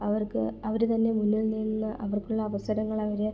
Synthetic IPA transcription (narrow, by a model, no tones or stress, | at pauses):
ɐʋɐrkɨɐʋɐɾut̪ɐnːe̞munːilninːɨʔɐʋɐrkuɭːɐːʋɐsɐɾɐŋːɐɭɐʋɐɾe